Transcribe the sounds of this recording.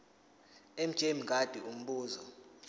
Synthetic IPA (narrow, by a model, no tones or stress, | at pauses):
em̩̥ʒ̥ʱʼemiŋɡʱad̥ʱium̩ɓuːzɔ